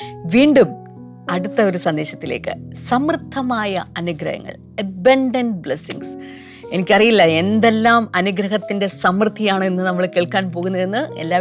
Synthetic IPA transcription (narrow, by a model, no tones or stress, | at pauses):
ʋiːɳɖum | ɐɽut̪ːɐo̞ɾusɐnd̪e̞ːɕɐt̪ːile̞̰ːkːɨ̰sɐmrɨt̪ʰːɐmaːjɐɐnuɡɾɐ̰hɐ̰ŋːɐ̰ɭ | ɐbɐɳɖɐnbɭesiŋɡs | e̞nikʲːɐrijilːɐe̞nd̪e̞lːaːmɐnuɡɾɐɦɐt̪ːinde̞sɐmrɨt̪ʰːijaːɳɨenːɨnɐmːɐɭkeːɭkaːnpo̞ːɣunːɐðe̞nːɨe̞̰lːaː